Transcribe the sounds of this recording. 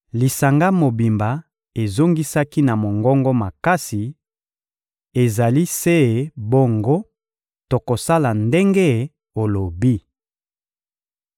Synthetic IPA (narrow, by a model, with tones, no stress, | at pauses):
li˨sa˨ŋɡa˦mo˨bi˨mba˨ | e˨zo˦ŋɡi˦sa˦ki˦na˨mo˨ŋɡɔ˦ŋɡɔ˦ma˨ka˦si˨ | e˨za˨li˦se˦˨bo˦ŋɡo˦ | to˨ko˨sa˦la˨nde˦ŋɡe˦˨ | o˨lo˨bi˦